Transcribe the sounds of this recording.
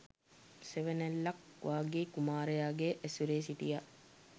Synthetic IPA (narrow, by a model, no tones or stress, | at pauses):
seʋenelːɐkʋaːɡiːkumaːɾejaːɡeʔæsuɾeːsiʈ̪ija